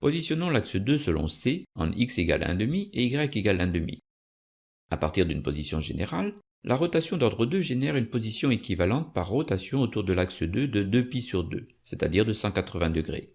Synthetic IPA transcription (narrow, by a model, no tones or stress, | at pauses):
pozisjɔnɑ̃laksəd̪øsəlɔ̰̃seɑ̰̃ikseɡa̰lɛ̰̃d̪əmieiɡʁɛkeɡalɛ̃d̪əmḭ | apaʁt̪iʁd̪ynpo̰zisjɔ̰̃ʒeneʁalː | ʔaʁɔt̪asjɔ̃d̪ɔʁd̪ʁəd̪øʒenɛʁynpozisjɔ̃ekʲivalɑ̃t̪̚paʁːɔt̪asjɔ̃ot̪uʁd̪əlaksəd̪ød̪əd̪øpisyʁd̪ø̰ | set̪ad̪iʁd̪əsɑ̃kat̪χəvɛ̃d̪əɡʁḛ